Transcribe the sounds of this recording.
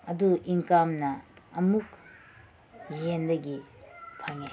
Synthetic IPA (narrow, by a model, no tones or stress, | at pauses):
ɐduʔiŋkamnɐɐmuk | jendɐɡipʰaŋe